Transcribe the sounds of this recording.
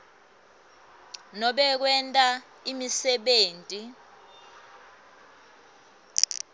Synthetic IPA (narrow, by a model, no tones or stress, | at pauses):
nɔɓɛk̬wɛntʼa | imisɛɓeːntʼi